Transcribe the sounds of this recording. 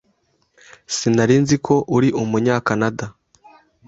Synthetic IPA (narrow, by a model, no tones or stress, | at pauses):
sinaɾinzikʰo̞ʔuɾiʔumuɲaːkanada